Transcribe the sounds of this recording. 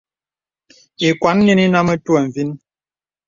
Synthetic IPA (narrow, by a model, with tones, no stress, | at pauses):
i˨kwa˨˦nː˦i˦ni˦na˦mə˦tu˦ə˨ɱ̩˨vi˦n˦